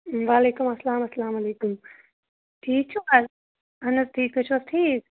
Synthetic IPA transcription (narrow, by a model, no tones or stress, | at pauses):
ʋaːleːkumɐslaːmɐslaːmɐleːkum | ʈʰiːk̚t͡ʃʰukɐɾ | ɐnɐzʈʰiːk̚kɐt͡ʃʰuɐsʈʰiːk